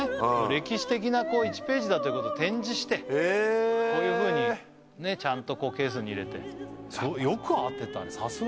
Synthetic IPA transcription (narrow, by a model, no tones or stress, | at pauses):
oɾe̞kʲiɕi̥t̪e̞k̬ʲinako̞ːit͡ɕi̥pe̞ːʑid̪at̪oiɯ̟ko̞t̪ot̪ẽ̞ɲ̟d͡ʑiɕi̥t̪e̞esoːjɯ̟ːɸɯ̟ːɲ̟i | ne̞t͡ɕãnt̪o̞ko̞ːke̞ːs̬ɨɲ̟ʲiiɾe̞t̪e̞̰sojokɯ̟at̪ːe̞t̪ã̰nsas